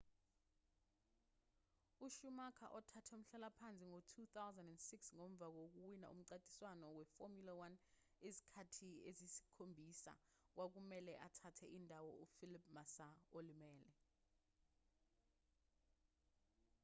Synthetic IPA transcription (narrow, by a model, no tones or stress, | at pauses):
uʃumakʰa̰ʔɔtʰatʰɛum̩ɬalapʰant͡sʼiŋotʰuθawzɛndɛndsiksŋom̩b̪vʱak̬ok̬uwina̰ṵm̩ǀatʼi̥swanɔwɛfomulawan | ezi̥kʰatʰiezisi̥kʰombʱisa̰ | k̬wak̬umɛlɛʔatʰatʰɛindʱawɔufilip̚ʰʼmasaolimɛːlɛ